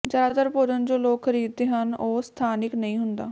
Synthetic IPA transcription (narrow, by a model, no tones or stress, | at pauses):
d͡ʒad̪at̪əɾpoːd͡ʒənd͡ʒoːloːkʰːəɾiːd̪̚ːeːɦənoːst̪ʰaːnɪknəĩːɦʊnd̪a̰ː